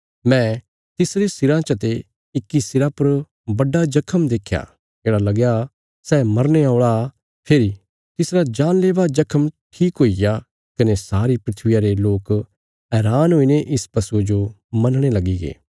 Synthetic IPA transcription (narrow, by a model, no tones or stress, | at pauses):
mɛ̃ | t̪ɪsɾesɪɾãt͡ʃɐt̪e | ɪkːisɪɾapɐɾ | bɐɖad͡ʒɐkʰəmd̪eːkʰja̰ | keːɽalɐɡja | sɛːmɐɾñeaːɭa | pʰeːɾi | t̪ɪsɾad͡ʒaːnleːʋad͡ʒɐkʰəmʈʰiːkɦoːija | kɐnesaːɾipɾɪt̪ʰʋɪjaɾeloːk | ɦɛːɾaːnɦoːineʔɪspɐsued͡ʒo | mɐnɽ̃elɐɡiɡḛː